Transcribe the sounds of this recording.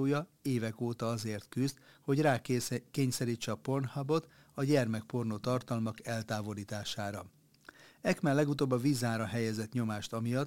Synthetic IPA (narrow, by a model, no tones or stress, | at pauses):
oːjɒeːvɛkoːt̪ɒɒzeːrt̪kyzd̪ho̞ɟraːkeːɲsɛɾiːt͡ʃːɛɒpo̞nhɒbo̞t̪ | ɒɟɛrmɛk̚po̞rnot̪ɒrt̪ɒlmɒkɛlt̪aːvo̞liːt̪aːʃaːɾɒ | ɛkmɛlːɛɡut̪oːbːɒviːzaːɾɒɦɛjɛzɛt̪ɲo̞maːʃt̪ɒmijɒt̪